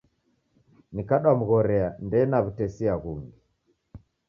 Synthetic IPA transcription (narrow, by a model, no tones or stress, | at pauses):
nikaɗwam̩ɣɔɾɛandɛːnaβutɛsiaɣuŋɡi